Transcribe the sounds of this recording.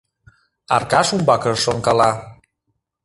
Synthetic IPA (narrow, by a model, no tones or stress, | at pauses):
a̰ɾkasumbakəsɔŋkala